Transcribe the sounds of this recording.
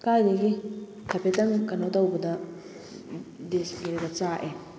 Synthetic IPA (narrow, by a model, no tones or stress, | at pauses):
kajdɐɡi | tʰɐpʰetɐŋkɐnotɐwbɐdɐ | desɡeɾeɡɐt͡ʃaʔe